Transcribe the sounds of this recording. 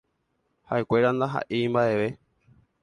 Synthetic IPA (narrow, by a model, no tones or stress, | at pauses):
ha̰ʔe̞kʷe̞ɾand̪aɦa̰ʔimbaʔe̞ʋe̞